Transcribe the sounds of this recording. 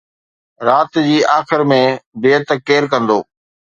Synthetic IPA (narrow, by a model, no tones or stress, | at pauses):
ɾaːt̪d͡ʑiːʔaːxɪɾmẽbeːət̪əkːeːɾkɐ̃nd̪oː